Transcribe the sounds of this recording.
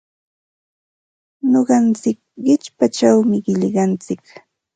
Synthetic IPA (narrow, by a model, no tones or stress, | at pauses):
ɲoɢɑnt͡sɪk̚ | ɢɪt͡ʃpat͡ʃawmɪɢɪʎɢɑnt͡sɪk